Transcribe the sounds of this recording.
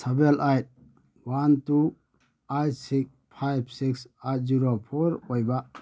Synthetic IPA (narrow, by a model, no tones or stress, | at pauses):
sabelʔajt̚ | wantu | ajtsik̚ | pʰajbsiksajt̚zuɾopʰɔɾojba